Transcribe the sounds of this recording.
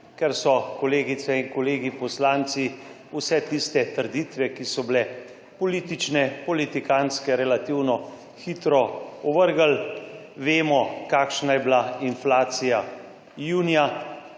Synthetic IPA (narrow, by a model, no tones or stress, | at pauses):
kɛɾsɔkɔleːɡit̪sɛiŋkɔleːɡipɔslaːnt̪si | usɛt̪ist̪ɛt̪əɾd̪iːt̪ʋɛkisɔblɛ | pɔliːt̪it͡ʃnɛpɔlit̪ikaːnskɛɾɛlat̪iwnɔ | xiːt̪ɾɔɔʋəɾɡal | ʋeːmɔkaːkʃnajɛblainflaːt̪sija | juːnija